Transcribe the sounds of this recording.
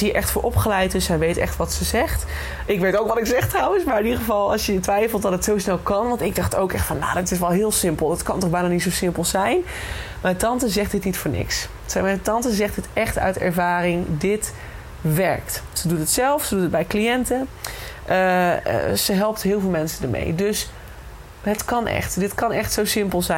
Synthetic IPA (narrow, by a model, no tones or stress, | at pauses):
iɹʔɛχtfʊːɹʔɔpχəlɛjt̚dɵsɦɛjʋejtɛ̰χtʋɑtsəzɛχt | ʔɪkʋejtowkʋɑtɪksɛχtrawənsmaːɹɪnidəχəvɑlˠɑ̰lˠsjətʋɛjfəlˠt̚dɑtətsowsnɛlˠkɑnʋɑntɪɡ̚dɑχto̰wkɛχtfɑnja̰ːdɪtɪsʋɛlˠɦɪːlˠsɪmpəlˠdɑtkɑntɔχbɛjnaːnitsowsɪmpəlˠzɛjn | maːtɑntəzɛχt̚dɪtnitfʊːɹnɪ̰ks | ɛatɑntəzɛχtɪtɛχtœ̰ɥtɛ̰ɹvaːrɪŋdɪt | ʋɛɹktsədutətsɛlˠfsədutət̚bɛjklijɛntəʔə̰ | zəɦɛlˠp̚tɦɪːlˠvɪlˠmɛnsəndəɹmḛjdɵs | ɦətkɑnʔɛ̰χtdɪtkɑnɛχtsowsɪmpəlˠzɛ